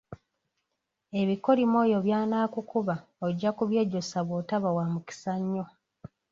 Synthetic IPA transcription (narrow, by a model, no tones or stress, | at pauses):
e̞βiko̞ɾimo̞jo̞βjaːnaːkukuβaoɟːakuβje̞ːɟosaβwoːtaβawamuki̥saɲːo̞